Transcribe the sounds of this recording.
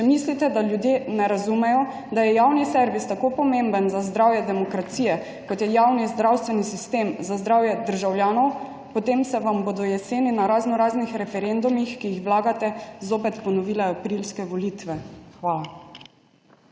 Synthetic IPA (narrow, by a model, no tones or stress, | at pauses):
t͡ʃɛmislit̪ɛd̪aljud̪jenɛɾazumɛjɔ | d̪ajɛjawnisɛɾʋist̪akoːpɔmembənzazd̪ɾaːwjɛd̪ɛmɔkɾat̪siːjɛ | kɔt̪jɛjaːwnizd̪ɾawst̪ʋɛnisist̪eːmzazd̪ɾawjɛd̪əɾʒawljaːnɔw | pɔt̪eːmsɛʋambod̪ɔjɛseːninaɾaznɔɾaːznixɾɛfɛɾend̪umixkijixʋwlaːɡat̪ɛzoːpɛt̪pɔnɔʋilɛapɾilskɛʋɔlit̪ʋɛxʋaːla